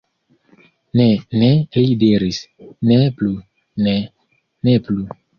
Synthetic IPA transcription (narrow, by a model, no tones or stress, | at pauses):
nenelidiɾisneplu | ne | neplu